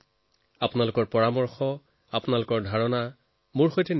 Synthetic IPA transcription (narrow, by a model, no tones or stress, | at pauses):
apʊnalʊkɔɹpɔɹamɔɹxɔ | apʊnalʊkɔɹdʱaɹɔna | mʊɹxojtɛn